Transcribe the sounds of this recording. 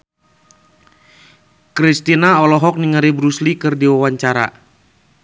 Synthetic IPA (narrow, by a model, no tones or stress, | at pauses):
kɾist̪inaɔlɔɦɔk̚niŋaɾibɾuslikɨrdiwawaɲt͡ʃaɾa̰